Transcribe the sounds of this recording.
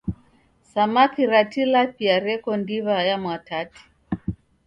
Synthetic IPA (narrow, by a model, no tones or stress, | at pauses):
samakiɾatilapiaɾɛkɔndiβajamwatati̥